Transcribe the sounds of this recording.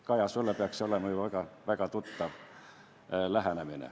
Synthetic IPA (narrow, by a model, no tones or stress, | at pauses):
kɑjɑsulːepeɑksolemɑjuʋækɑʋækɑt̪ut̪ːɑʋ | læɦæneminḛ